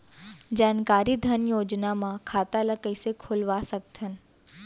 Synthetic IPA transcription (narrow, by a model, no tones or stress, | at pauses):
d͡ʒaːnkaːɾid̪ʱənjoːd͡ʒnamãkʰaːt̪aləkəisekʰolʋasək̚t̪ʰən